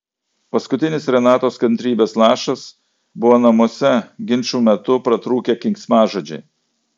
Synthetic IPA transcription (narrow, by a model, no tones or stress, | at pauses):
pɐskʊt̪ʲɪnʲɪsɾʲɛnɑːt̪oːskɐnʲt̪ʲɾʲiːbʲeːslˠɑːʃɐs | bʊʋoːnɐmɔsʲɛɡʲɪnʲt͡ʃuːmʲɛt̪ʊpɾɐt̪ɾuːkʲeːkʲɪŋʲksʲmɑːʒoːd͡ʒʲɛɪ